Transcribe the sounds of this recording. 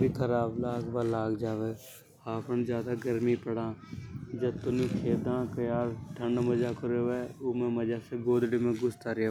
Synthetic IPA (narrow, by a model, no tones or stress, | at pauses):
bikʰəɾaːblaːɡbaːlaːɡd͡ʒaːʋeː | aːpənd͡ʒjaːd̪aːɡəɾmiːpəɽãːd͡ʒət̪onũːkʰeːd̪ãːkəjaːɾʈʰəɳɖməd͡ʒaːkəɾeːʋeːoːmẽːməd͡ʒaːseːɡoːd̪ɽemẽːɡʊst̪aːɾɪjaː